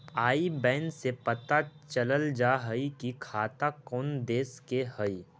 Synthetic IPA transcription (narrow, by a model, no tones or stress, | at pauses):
aːibɛ̃ːnsepət̪at͡ʃələld͡ʒaːɦəikikʰaːt̪akɔːnd̪eːskeɦəi